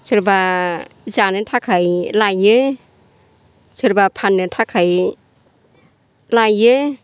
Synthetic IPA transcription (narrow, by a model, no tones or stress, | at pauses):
sɯɾbazanɯtʰakʰajlajɯ | sɯɾbapʰanːɯtʰakʰaj | lajɯ